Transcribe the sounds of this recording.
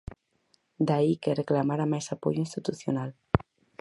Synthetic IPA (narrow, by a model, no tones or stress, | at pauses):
d̪aikereklamaɾamajsapo̰joinst̪it̪uθjonal